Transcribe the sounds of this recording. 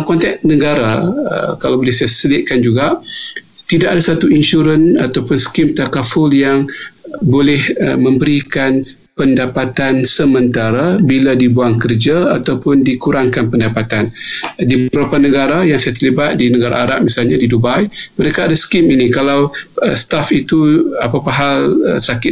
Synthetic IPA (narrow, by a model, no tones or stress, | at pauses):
mkɔnt̪ɛʔ̚nəɡaɾaə̰kalawbolɛhsajasəlɪʔ̪̚kand͡ʒuɡa | t̪idaʔadasat̪uinʃuɾənat̪awpʊnsə̥kimt̪akafʊljaŋbolɛhə̰mə̃mbəɾikan | pəndapat̪ansəmənt̪aɾabiladibuaŋkərd͡ʒaat̪awpʊndikuɾaŋkanpəndapat̪andibəɾapanəɡaɾajaŋsajat̪ərlibat̪̚dinəɡaɾa̰aɾap̚misalɲadidubajməɾekaːdasə̥kɪminikalawəst̪afit̪uapapaɦalə̰sakɪ